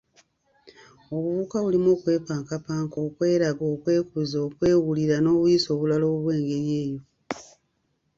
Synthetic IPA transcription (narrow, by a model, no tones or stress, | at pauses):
oβuβukaβulimo̞ːkwe̞ːpaːŋkapaːŋko̞ːkwe̞ːɾaɡoːkwe̞ːkuzoːkwe̞ːwuliɾano̞ːβujiso̞ːβulalo̞ːββwe̞ːŋɡe̞ɾje̞ːjo̞